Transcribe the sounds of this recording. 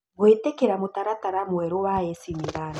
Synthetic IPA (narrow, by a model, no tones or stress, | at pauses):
ɡwetɛkeɾamotaɾataɾamwɛɾowaesimiɾan